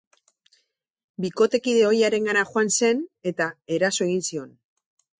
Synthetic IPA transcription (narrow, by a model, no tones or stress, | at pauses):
biko̞t̪e̞kiðe̞o̞jaɾe̞ŋɡanaxoanse̞ne̞t̪ae̞ɾaso̞e̞ɣinsio̞n